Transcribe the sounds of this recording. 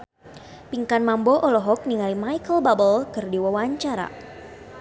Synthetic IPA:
piŋkanmambɔʔɔlɔɦɔk̚niŋalimajkəlbabəlkɨrdiwawaɲt͡ʃaɾa̰

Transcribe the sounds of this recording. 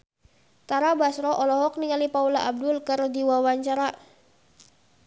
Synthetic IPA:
t̪aɾabasɾɔʔɔlɔɦɔk̚niŋalipaulaʔab̚dʊlkərdiwawaɲt͡ʃaɾa

